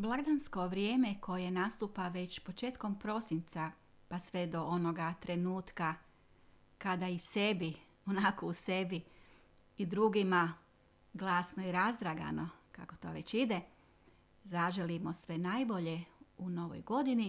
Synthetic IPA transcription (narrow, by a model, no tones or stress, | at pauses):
blˠaɡd̪ansko̞ʋɾje̞ːme̞ko̞jenast̪uːpaʋe̞t͡ɕpo̞t͡ʃe̞ːt̪ko̞mpɾo̞sint̪sa | pasʋe̞d̪o̞ʔono̞ɡat̪ɾe̞nuːt̪ka | kad̪aise̞bi | onakouse̞bi | id̪ɾuɡima | ɡlˠaːsnoiɾazd̪ɾaɡa̰no̞ka̰kot̪o̞ːʋe̞t͡ɕid̪e | zaʒelimo̞sʋe̞najbo̞ʎe̞uno̞ʋo̰jɡo̞d̪ini